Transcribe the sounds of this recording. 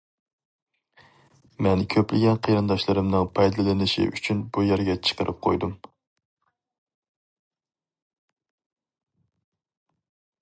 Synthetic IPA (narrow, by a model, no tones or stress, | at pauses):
mɛnkʲʰøplɪɡʲɛnqʰəjɾɨnd̪ɑʃlˠɨɾɨmnɨŋpʰɑjd̪ɨlˠɨlˠɨnɪʃḭʔy̰t͡ʃʰynbujɛɾɡʲɛt͡ʃʰə̥qəɾʔɨp̚qʰo̰jd̪um